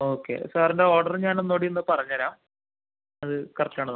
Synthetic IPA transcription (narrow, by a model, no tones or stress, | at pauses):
o̞ːkːḛsaːɾendeo̞ːrɖɐrɲaːno̞nːoːɽienːɨpɐrɐɲːɐɾaːm | ɐðɨkɐrɐt͡ɕːaːɳɐð